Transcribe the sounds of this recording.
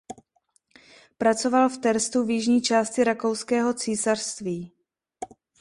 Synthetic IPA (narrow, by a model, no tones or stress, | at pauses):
pɾat͡so̞valft̪ɛɾst̪uvjɪʒɲiːt͡ʃaːscɪɾako̞wskɛːɦo̞t͡siːsar̥st̪viː